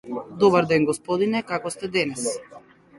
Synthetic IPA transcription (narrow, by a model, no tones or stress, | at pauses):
d̪ɔbaɾd̪ɛnɡɔspɔd̪inɛkakɔst̪ɛd̪ɛnɛs